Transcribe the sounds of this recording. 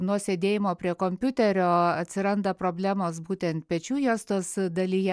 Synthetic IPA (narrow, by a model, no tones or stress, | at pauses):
nuɔsʲeːd̪ʲeːjɪmoːpʲɾʲiɛkoːmʲpʲʊt̪ʲɛɾʲoːɐt̪ʲsʲɪɾɐnd̪ɐpɾoːbʲlʲæːmoːsbuːt̪ʲɛnt̪̚pʲɛt͡ʃʲuːjoːst̪oːsd̪ɐlʲijɛ